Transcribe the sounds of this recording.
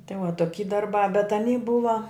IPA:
tʲɪ ʋɐ toːˈkʲiː dɐrˈbɑː bʲɛt ɐˈnʲiː ˈbʊʋɐ

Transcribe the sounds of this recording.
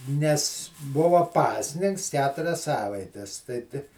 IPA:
nʲɛs ˈbʊʋoː ˈpɑːsʲnʲɪŋks ˈkʲæːtʊrʲɛs ˈsɑːʋɐɪtʲɛs tɐɪ tʲɪ

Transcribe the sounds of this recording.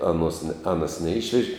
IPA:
ˈɑːˌnuɔs nʲɛ ˈɑːnɐs nʲɛˈɪʃʲʋʲɛʒʲɪ

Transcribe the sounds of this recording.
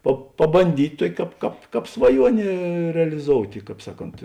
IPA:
pɐ pɐbɐnʲˈdʲiːtʲ ˈtuɔkʲ ˈkɑːp ˈkɑːp ˈkɑːp sʋɐˈjuɔnʲeː rʲɛlʲɪˈzoːʊtʲeː ˈkɑːp ˈsɑːˌkoːnt

